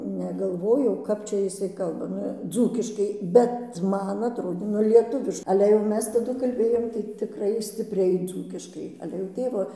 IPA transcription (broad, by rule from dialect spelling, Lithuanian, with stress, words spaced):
nʲɛɡɐlˠˈʋoːjɛʊ ˈkɐp t͡ʃʲɛ jɪˈsɐɪ ˈkɐlˠbɐ ˈnʊ ˈd͡zuːkʲɪʃkɐɪ bʲɛt ˈmɐn ɐtˈroːdʲeː nʊ ˈlʲiɛtʊʋʲɪʃ ˈɑːlʲɛ jɛʊ ˈmʲɛs tɐˈdʊ kɐlʲˈbʲeːjoːm tɐɪ tʲɪˈkrɐɪ sʲtʲɪpʲˈrʲɛɪ ˈd͡zuːkʲɪʃkɐɪ ˈɑːlʲɛ jɛʊ ˈtʲeːʋoː